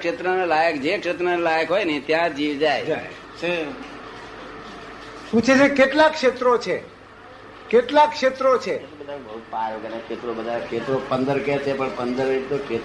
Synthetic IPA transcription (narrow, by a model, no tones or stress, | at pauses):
kʂet̪ɾənelajəkd͡ʒekʃet̪ɾənelajəkɦojnet̪jãd͡ʒiʋd͡ʒajd͡ʒa | t͡ʃʰe | pũt͡ʃʰet͡ʃʰekeʈlakʃet̪ɾot͡ʃʰe | keʈlakʃet̪ɾot͡ʃʰebed̪akbəɦut̪̚pajokənekʃet̪ɾobəd̪ʱaekʰet̪ɾopənd̪əɾket͡ʃʰepəɳpənd̪əɾit̪okʰet̪